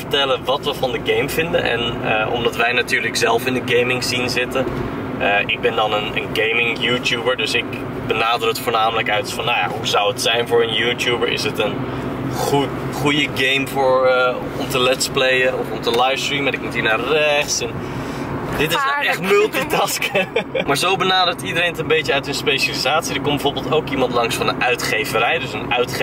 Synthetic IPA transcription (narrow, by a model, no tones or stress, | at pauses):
fə̥tɛlənʋɑtʋəvɑndəɡejmvɪndə̰nʔɛ̰nəʔɔ̰mdɑtʋɛjnatyːɹləkzɛlˠfɪndəɡejmɪŋzinzɪtə | əɪɡ̚bɛndɑnənə̰nɡejmɪŋjuːtjubəɹdɵsɪk | bənaːdrɵk̚tfʊːɹnaːmələkœɥtfɑnːawja̰ɦuzʌwətsɛjnvʊːɹənjuːtjubəɹʔɪ̰sətən | χut | χujəɡejmvʊːɹ | ɔmtəlɛtsplejəɔfɔmtəlajfstriːmədɪk̚mutiːnaːərɛχtsɛn | dɪtɪsdɔɛχtmʏlˠtitɑskmaːɹzowbənaːdəɹtidəɾejnətənbejtəœɥtənspejʃalizaːtsidəɹkɔmbəvoːɹbɪlˠtowkimɑntlɑŋsfɑnənœɥtχejvəɾɛjdɵsənœɥtχ